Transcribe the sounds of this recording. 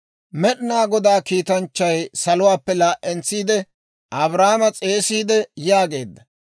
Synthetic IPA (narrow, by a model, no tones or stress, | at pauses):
mɛɗɪnaːɡɔd̪aːkiːt̪ɐnt͡ʃːɐjsɐlʊwaːpːɛlaːʔʔɛnt͡sːiːd̪ɛ | ʔɐbɾaːmɐt͡sʼe̞ːsiːd̪ɛjaːɡe̞ːd̪ːɐ